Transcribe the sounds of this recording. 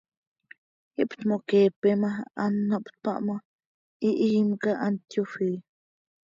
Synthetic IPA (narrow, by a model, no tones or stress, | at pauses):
iʔpt̪mokeːpemaanːoʔpt̪̚pa̰ʔmo | iʔiimkaʔant̪jofi